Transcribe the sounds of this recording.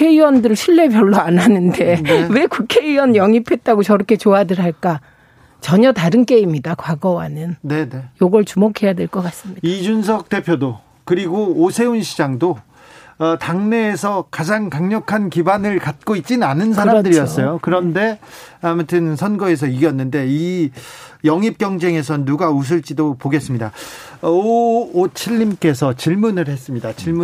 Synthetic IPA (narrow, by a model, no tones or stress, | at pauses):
kʰeiwʌndɯɾɭɕʰiɭːe̞bjʌɭːoananɯnde̞we̞kukʰeiwʌnjʌŋipʰe̞t̚t͈aɡot͡ɕʌɾʌkʰe̞t͡ɕoadɯɾɦaɭk͈a | t͡ɕʌɲʌtaɾɯnk͈e̞imɲidakwaɡʌwa̰nɯnne̞ne̞joɡʌɭt͡ɕumokʰe̞jadwe̞ɭk͈ʌk͈as͈ɯmɲidaid͡ʑunsʰʌk̚t͈e̞pʰjodo | kɯɾiɡoːsʰe̞unɕʰid͡ʑaŋdo | taŋne̞ːsʰʌkad͡ʑaŋkaŋɲʌkʰankibanɯɭkat̚k͈oit̚t͡ɕ͈inanɯns̬ʰaɾamdɯɾijʌs͈ʌjokɯɾʌnde̞amutʰɯnsʰʌnɡʌe̞s̬ʰʌiɡjʌnːɯnde̞i | jʌŋip̚k͈jʌŋd͡ʑe̞ŋe̞sʰʌnuɡaus̬ʰɯɭt͡ɕ͈idopoɡe̞s͈ɯmɲida | t͡ɕʰiʎːimk͈e̞sʰʌt͡ɕiɭmunɯɭhe̞s͈ɯmɲidat͡ɕiɭm